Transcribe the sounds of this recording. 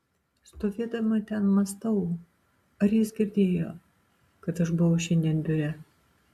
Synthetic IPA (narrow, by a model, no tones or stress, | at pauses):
st̪oːʋʲiːd̪ɐmɐt̪ʲɛnmɐst̪ɐʊ | ɐɾjɪsɡʲɪɾʲd̪ʲeːjoː | kɐt̪ɐʃbʊʋɐʊʃʲɛnʲd̪ʲiɛnd̪ʲʊɾʲɛ